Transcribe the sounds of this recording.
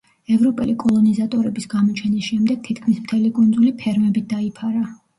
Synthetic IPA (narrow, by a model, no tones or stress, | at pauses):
ɛvɾɔpʼɛlikʼɔlˠɔnizat̪ʼɔɾɛbisɡamɔt͡ʃʰɛnisʃɛmd̪ɛɡ̥̚t̪ʰit̪ʰkʰmismt̪ʰɛlikʼund̪zulipʰɛɾmɛbid̪aipʰaɾa